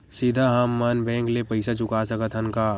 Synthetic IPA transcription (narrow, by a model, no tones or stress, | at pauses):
sid̪ʱaɦɐmːənbɛ̃ːŋklepəɪsat͡ʃʊkasəkət̪ʰənkaː